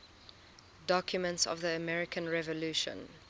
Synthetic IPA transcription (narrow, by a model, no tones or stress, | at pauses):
dɔkʰjumə̃ntsɔ̰vðiəmɛɹɪkʰə̃nɹɛvɔluːʃə̰̃n